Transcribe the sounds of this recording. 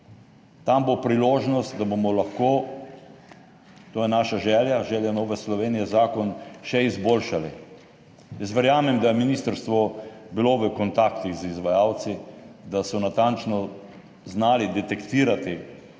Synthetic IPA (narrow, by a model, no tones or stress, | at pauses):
t̪ambopɾiloːʒnɔst̪̚d̪abomɔlaxkoː | t̪oːjɛnaːʃaʒɛːljaʒɛːljanoːʋɛslɔʋeːnijɛzaːkɔnʃɛizboːlʃali | jəs̬ʋɛɾjaːmɛmd̪ajɛminist̪əɾst̪ʋɔbiloʋəkɔnt̪akt̪iɣzizʋajaːw̪sid̪asɔnat̪ant͡ʃnɔ | znaːlid̪ɛt̪ɛkt̪iːɾat̪i